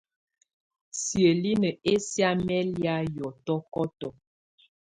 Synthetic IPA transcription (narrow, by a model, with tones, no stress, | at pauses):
sjə˨li˦nə˨e˦sja˦mɛ˦lja˦jɔ˨tɔ˦kɔ˦tɔ˨